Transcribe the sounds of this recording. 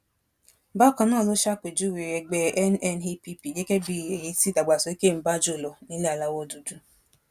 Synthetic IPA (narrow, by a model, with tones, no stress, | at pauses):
ba˦˨kɔ˨nɔ˦˨lʊ˦ʃa˦kʷe˨d͡ʒu˦we˨ɾe˨ɡ͡be˨ʔɛ˦n˦ɛ˦n˦ɦi˦pi˦pi˨je˦ke˦bi˨ɾe˨ji˦si˦da˨ɡ͡ba˨sɔ˨i˦ke˦m̩˨ba˦d͡ʒo˦˨lɔ˨ni˦li˦a˨la˦wɔ˦du˨du˦